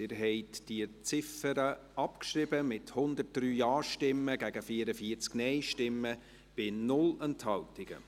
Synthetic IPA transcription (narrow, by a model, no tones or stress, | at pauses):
ɪɾɦɛɪtd̥iət͡sɪfəɾəɑpkʃɾɪbəmɪthʊnd̪ət̚d̥ryːjɑːʃtɪmːəɡæɡəfiəɾəfiət͡sknɛɪʃtɪmːə | b̥ɪnʊlənthɑltɪɡ̥ə̰